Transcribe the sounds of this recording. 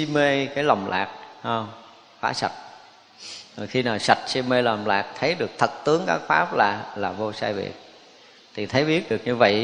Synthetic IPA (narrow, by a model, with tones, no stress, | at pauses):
i˧me˧kaː˨˦jla˨˩wŋ͡mlʔa̰ː˨˩k̚hə˧ŋ͡m | xwaː˨˦sa˨˩t̚ | o˨˩xi˧naː˨˩wsa˨˩t̚si˧me˧la˨˩wŋ͡mla̰ː˨˩k̚t̪ʰə˨˦jɗɨ˨˩ək̚t̪ʰə˨˩t̚t̪ɨ˨˦əŋkaː˦˥k̚faː˦˥p̚laː˨˩laː˨˩vo˧saː˧jvḭ˨˩ət̚ | t̪ʰi˨˩t̪ʰə˨˦jɓi˦˥ət̚ɗɨ˨˩ək̚ɲɨ˧və̰˧˨j